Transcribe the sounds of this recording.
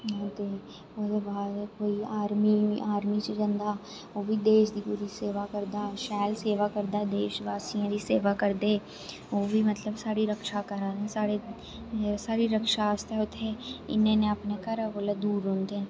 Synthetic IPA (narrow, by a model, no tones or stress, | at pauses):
t̪eː | od̪eʋaːkoːiaːɾmiaːɾmit͡ʃəd͡ʒə̃nd̪aː | oːbʱid̪eːʃd̪iːpuːɾiseːʋakəɾd̪aːʃɛːlseːʋakəɾd̪aːd̪eːʃʋaːsijãːd̪iːseːʋakəɾd̪eː | oːbʱimət̪ləbsaːɾiɾəkʃakəɾaːɾɛ̃ːsaːɾe | saːɾiɾəkʃast̪ɛʊt̪ʰːeɪ̰nenẽəpnekəɾboːled̪uːɾɦʊ̃nd̪eɦɛ̃ː